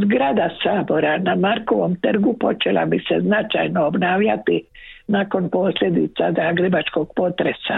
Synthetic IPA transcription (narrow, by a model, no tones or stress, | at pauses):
zɡɾad̪asaːbo̞ɾanamaɾko̞ʋomt̪r̩ɡupo̞t͡ʃela̰biseznat͡ʃa̰jnoːbnaːʋʎat̪i | nako̞npo̞sʎʲje̞d̪it̪sad̪aɡɾebat͡ʃko̞ɡ̥po̞t̪ɾesa̰